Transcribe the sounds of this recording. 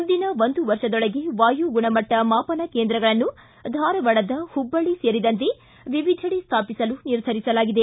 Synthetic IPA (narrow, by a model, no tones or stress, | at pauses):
und̪inɐʋond̪uʋɐɾʂɐd̪ɔɭɐɡe̞ʋaːjuɡuɳɐmɐʈːɐmaːpɐnɐkeːnd̪ɾɐɡɐɭɐnːu | d̪ʱaːɾɐʋɐɭɐd̪ɐhubːɐɭiseːɾid̪ɐnt̪̬e̞ | ʋiʋid̪ʱɐɽist̪ʰaːpisɐluniɾd̪ʱɐɾisɐlaːɡid̪e̞